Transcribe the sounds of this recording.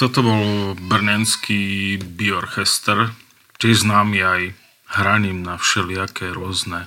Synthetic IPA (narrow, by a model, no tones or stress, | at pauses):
t̪ɔt̪ɔbɔlbr̩ɲɛnskibiɔɔɾxɛst̪ɛɾ | t͡ʃɛʒznaːmiaj | hɾaɲimnafʃɛlɪakɛɾʊɔznɛ